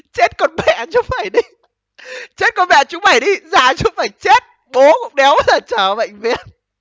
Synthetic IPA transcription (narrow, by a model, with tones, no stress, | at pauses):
t͡ɕe˦˥t̚kɔ˧nɓɛ̰˧˨t͡ɕʊ˨˧˦ŋ͡mfaː˧˩jɗi˧ | t͡ɕe˦˥t̚kɔ˧nɓɛ̰˧˨t͡ɕʊ˨˦ŋ͡mɓaː˧˩jɗi˧zaː˧˩t͡ɕʊ˨˦ŋ͡mfaː˧˩jt͡ɕe˦˥t̚ | ɓo˨˦kʊ̰˧˥ŋ͡mɗɛ˨˦wlaː˨˩t͡ɕəː˨˩ɓə̰˧˨jŋ̟vḭ˨˧˨ən